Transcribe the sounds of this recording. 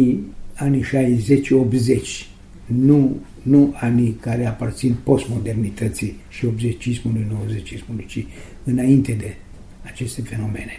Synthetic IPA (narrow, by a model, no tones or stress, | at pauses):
ianiʃajzet͡ʃʲopze̞t͡ʃʲ | nu | nuanikaɾeapart̪sinpo̞st̪mo̞d̪e̞rnit̪ət̪siʃio̞bzet͡ʃismulujnowəzet͡ʃismulujt͡ʃi | ɨnaint̪e̞d̪e̞ | at͡ʃe̞st̪efe̞no̞me̞ne